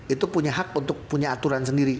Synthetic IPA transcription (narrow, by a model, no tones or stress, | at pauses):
ʔit̪upuɲaɦak̚unt̪ʊk̚puɲaːt̪uɾansəndiɾi